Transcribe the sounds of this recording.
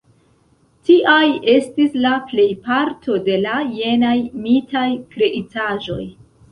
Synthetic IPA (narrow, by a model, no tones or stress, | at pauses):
tiʔaje̞stislaple̞jpaɾtʰo̞de̞laːe̞najmitajkɾe̞ʔitaʒo̞j